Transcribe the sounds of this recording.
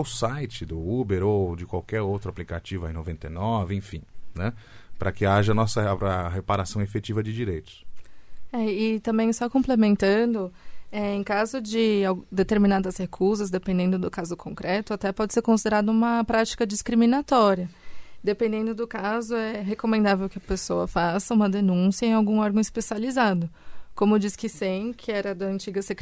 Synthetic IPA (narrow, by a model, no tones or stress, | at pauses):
ʊsajt͡ʃɪd̪ʊubeɾowd͡ʒɪkwawkɛɾowt̪ɾʊaplikat͡ʃivʊa̰j̃novẽnt̪ḛjnɔvɪẽfĩnɛpɾɐkɪaʒɐnɔsɐɐɦepaɾasɐ̃w̃efet͡ʃivɐd͡ʒɪd͡ʒiɾejt̪ʊ̥s | ɛɪt̪ɐ̃mbẽj̃sɔkõmplemẽnt̪ɐ̃d̪ʊɛẽj̃kazʊd͡ʒɪawd̪et̪eɾminad̪ɐshekʰuzɐzd̪epẽnd̪ẽnd̪ʊd̪ʊkazʊkʰõŋkɾʔɛt̪ʊat̪ɛpɔd͡ʒɪseɾkõsid̪eɾad̪ɐũmɐpɾat͡ʃi̥kɐd͡ʒiskɾiminat̪ɔɾiɐd̪epẽnd̪ẽnd̪ʊd̪ʊkazʊɛɦekomẽnd̪avewkɪɐpesoɐfasɐũmɐd̪enũsiɐẽj̃awɡũɔɾɡɐ̃ispesializad̪ʊkõmʊd͡ʒiskɪsẽj̃kʰɪɛɾɐd̪ɐɐ̃nt͡ʃiɡɐsek